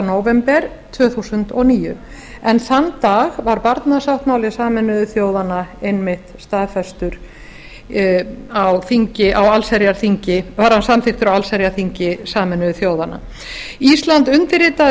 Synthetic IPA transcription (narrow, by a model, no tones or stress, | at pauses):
noːwvɛmpɛɾ̥ | t̪ʰvœːθusʏnt̪ɔɣniːjʏ̰ | ɛnθant̪aːɣvaɾpaɾt̪nasawht̪maːwlɪsaːmɛnːʏʏθjoːwðanaejnmɪht̪st̪aðfɛst̪ʏɾ̥ | awθiɲcɪʔawalsɛɾjaɾ̥θiɲcɪvaɾ̥hansamθɪkt̪ʏɾawalsɛɾjaɾθiɲcɪsaːmɛnːʏʏθjoːwðana̰ | ist̪lant̪ʏnt̪ɪɾɪːt̪a